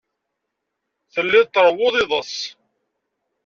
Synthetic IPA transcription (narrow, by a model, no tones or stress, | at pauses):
θəlːɪðt̪ːɾˤəwːoðˤɪðˤəsˤ